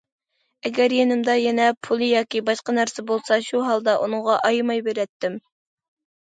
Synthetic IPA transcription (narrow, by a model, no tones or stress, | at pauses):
ɛɡʲɛɾjenɪmd̪ɑjɛnɛpʰulˠɨjɑːkʲibɑʃqɑnæɾsɛbolˠsɑʃuɦɑlˠd̪ɑʔunɨŋʁɑʔɑjmɑjbeɾɛt̪ːɪm